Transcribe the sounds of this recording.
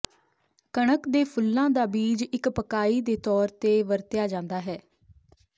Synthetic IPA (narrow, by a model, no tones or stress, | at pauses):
kəɳəkd̪eːpʰʊlːãːd̪aːbiːd͡ʒɪkpəkaːiːd̪eːt̪ɔːɾt̪eːʋəɾt̪ɪjaːd͡ʒãːnd̪aːɦɛː